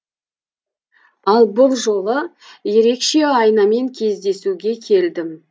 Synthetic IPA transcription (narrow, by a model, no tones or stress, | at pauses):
ɑlˠbʊlˠʒo̞lˠə | je̞ɾe̞kʃe̞ɑjnɑme̞ŋkʲʰe̞zd̪e̞suɡʲe̞kʲʰe̞ld̪ɪm